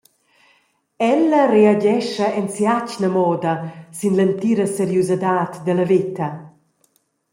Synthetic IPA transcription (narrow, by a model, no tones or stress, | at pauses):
ɛlːɐread͡ʑɛʃəɛnsiat͡ʃnəmɔːd̪ɐsinlant̪iːɾəsɛɾjuzad̪aːt̪d̪əlɐvet̪ɐ